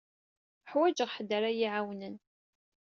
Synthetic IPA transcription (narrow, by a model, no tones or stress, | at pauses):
ħwæd͡ʒəʁħəd̪əɾajiʕawnən